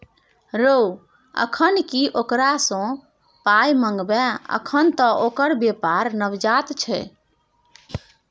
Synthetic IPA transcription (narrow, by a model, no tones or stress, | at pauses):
ɾow | ə̰kʰənkiʔokɾasə̃ | pajməŋɡbɛə̰kʰənt̪əʔokəɾbepaɾnəʋd͡ʒat̪t͡ʃʰɛ̰